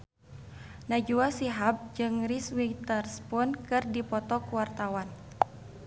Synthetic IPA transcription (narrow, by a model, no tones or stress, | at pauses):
nad͡ʒuasiɦap̚d͡ʒɨŋriswit̪ərspʊnkɨrdipɔt̪ɔkuwart̪awan